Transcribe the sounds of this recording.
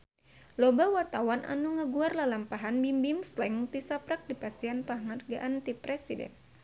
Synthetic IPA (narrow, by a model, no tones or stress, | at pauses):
lobawart̪awanʔa̰nuŋəɡuarlalampaɦanbimbimslɛŋt̪isapɾak̚dipast̪ianpaŋarɡaʔant̪ipɾɛsidɛ̰n